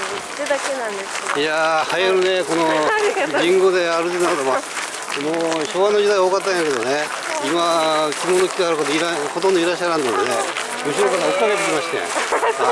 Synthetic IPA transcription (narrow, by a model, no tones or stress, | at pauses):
d̪akenãnd̪esjahajaɾɯ̟neko̞noɡĩŋɡo̞d̪e̞aɾɯt̪enakːt̪oma | moːɕoːβanod͡ʑid̪aioːkat̪ːaj̃ãŋked̪one | imakʲinoːnokʲi̥kahaɾɯkat̪oiɾahot̪õnd̪oiɾaɕːaɾãnd̪end̪ejo̰ | mɯɕiɾok̪at̪aokaɾet̪ekʲimaɕi̥t̪ḛ̃